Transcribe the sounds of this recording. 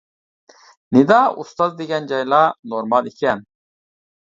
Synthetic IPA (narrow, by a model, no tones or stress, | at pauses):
nid̪aːṵst̪azd̪iɡʲɐnd͡ʒajlanoɾmalikʰiɐn